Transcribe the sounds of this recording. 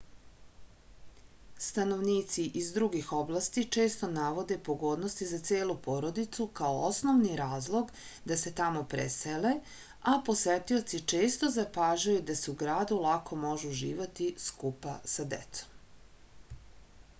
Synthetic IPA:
st̪ano̞ʋniːt̪siʔizd̪ɾuɡixo̞blˠast̪it͡ʂe̞ːst̪o̞naʋo̞d̪e̞po̞ɡo̞ːd̪no̞st̪izat̪seːlupo̞ɾo̞d̪it̪sukaoosno̞ʋniɾaːzlˠo̞ɡ | d̪ase̞t̪amo̞pɾḛsele̞ | apo̞sʋet̪io̞t̪sit͡ʂe̞ːst̪o̞zapaːʒajud̪aseuɡɾaːd̪ulˠakʰo̞mo̞ʒuuʒḭːʋat̪iskupasad̪ḛt̪so̥m

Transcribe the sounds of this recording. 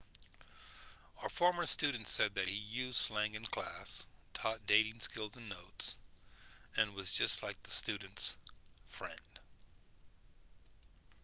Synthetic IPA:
aʊə˞fɔɹmə˞stʉdⁿn̩tsɛd̪̚ðɨt̚hijʉz̥slæ̃ŋɨ̃nkʰl̥æstʰɔt̚d̥eɪɾɪ̃ŋskɪlˠzɨ̃nːoʊts | ɨ̃nwʌzd͡ʒʌstˡlaɪk̚ðəstʉdⁿn̩tsfɹɛ̰̃nd̥

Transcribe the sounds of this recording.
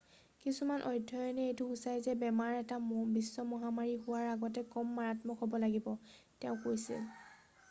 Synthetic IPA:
kisumanʔɔjdʱɔjɔnɛejtʊusajzɛbɛmaɹɛtabisːɔmɔɦamaɹiɦʊwaɹaɡɔtɛkɔmːaɹatmɔkʰɔbɔlaɡibɔ | tɛʊ̃kojsḭl

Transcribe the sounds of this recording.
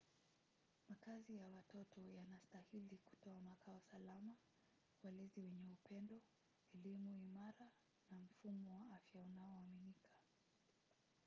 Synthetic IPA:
makazijawatɔtɔjanastahiliku̥tɔamakʰaɔsalama | walɛziwɛɲɛupʰɛndɔ | ɛlimuimaɾa | nam̩fumɔwaafjaunaɔaminikʰḁ

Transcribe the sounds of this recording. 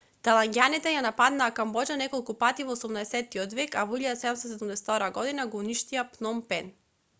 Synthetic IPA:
t̪alˠaŋɡʲanit̪ɛjanapad̪naːkambɔd͡ʒanɛkɔlˠkupat̪ivɔːsumnaɛsɛt̪ːiɔd̪vɛkavɔilʎad̪asɛd̪ɛmst̪ɔsɛd̪umd̪ɛsɛt̪ɔɾaɡɔd̪inaɡɔuniʃt̪iapnɔmpɛn

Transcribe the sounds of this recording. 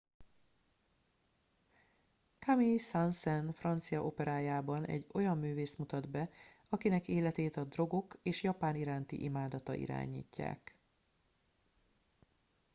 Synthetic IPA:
kamisansɛnfrɒnt̪sijɒʔo̞pɛɾaːjaːbɒnɛ̰ɟːo̞jɒmːyːveːst̪mut̪ɒd̪bɛ | ɒkinɛkeːlɛt̪eːt̪ɒd̪ro̞ɡo̞keːʃjɒpaːniɾaːnt̪ḭʔimaːd̪ɒt̪ɒ̰ʔḭɾa̰ːɲḭːcːa̰ːk

